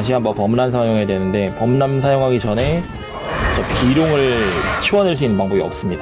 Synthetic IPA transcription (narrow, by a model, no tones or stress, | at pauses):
ɕ̬ʰiɦanbʌpʌmnansʰajoŋe̞dwe̞nɯnde̞pʌmnansʰajoŋɦaɡit͡ɕʌne̞ | t͡ɕʌpiɾjoŋɯɭt͡ɕʰiwʌnɯɭs̬͈uinːɯnpaŋbʌɡiʌ̰p̚s͈ɯmɲida